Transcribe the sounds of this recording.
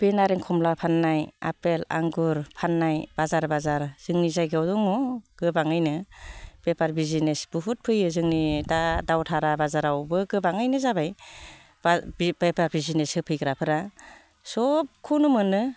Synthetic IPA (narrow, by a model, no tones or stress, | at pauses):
b̥enaɾeŋkʰɔmlapʰanːaja̰pela̰ŋɡuɾpʰanːajbazaɾbazaɾz̥ɯŋnizajɡawdɔŋɔɡ̥ɯbaŋɯjnɯb̥epaɾbizinesb̥uɦut̚pʰɯjɯzɯŋnidadawtʰaɾabazaɾawbɯɡɯbaŋajnɯzabaj | babepaɾbizinesɯpʰɯjkʰɾapʰɯɾa | sɔp̚kʰunumɯnɯ